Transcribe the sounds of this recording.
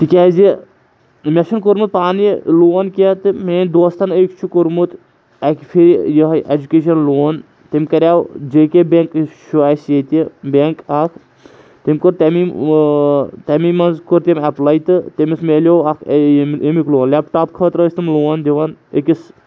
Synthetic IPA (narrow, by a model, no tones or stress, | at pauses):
t̪ikʲaːzi | mʲɐʃɐnkuɾmut̪̚paːnloːnkiat̪ɨmeːnʲd̪oːst̪ɐnəkt͡ʃʰukuɾmut̪ | akʲfʰiɾjəɦʔed͡ʒukʲeːʃɐnloːn | t̪emʲkɐɾʲaːwd͡ʒeːkebʲeŋkʃʰuaːseːt̪ʲibʲeŋkakʰ | t̪imʲkoɾt̪ɐmi | t̪ɐmimɐnzkoɾt̪emʲaplajt̪ɨt̪emismeːlʲoakʰmemikloːnlʲapʈaːp̚kʰət̪ɾəːsʲt̪ɨmloːnd̪ʲiʋɐnəkʲis